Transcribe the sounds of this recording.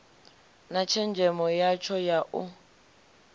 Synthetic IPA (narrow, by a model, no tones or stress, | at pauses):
nat͡ʃʰɛnd͡ʒʱɛmɔjat͡ʃʰɔjaʔʊ